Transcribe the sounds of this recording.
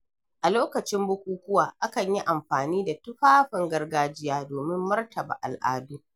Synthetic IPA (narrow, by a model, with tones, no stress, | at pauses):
ʔa˨loː˦kɐ˨t͡ʃɪ˦mbʊ˦kʷuː˦kʷʊ˦waː˨ʔa˦kɐ˨ɲji˦ʔa˨mɸaː˨niː˦da˨tʊ˦ɸaː˦ɸɪ˨ŋɡɐ˦rɡaː˦d͡ʒɪ˦jaː˦doː˨mɪ˦mːɐ˦rtʰɐ˨ba̰ː˨ʔa̰˨lʔa̰ː˦duː˦